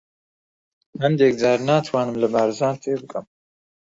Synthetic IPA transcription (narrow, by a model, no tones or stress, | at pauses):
hənd̪ɛk̚d͡zaːɾnaːt̪ʰwaːnɨmləbaːɾzaːnt̪ʰeːbɨkʼɐm